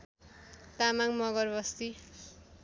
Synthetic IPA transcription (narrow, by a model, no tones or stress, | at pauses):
t̪amaŋmʌɡʌrbʌst̪i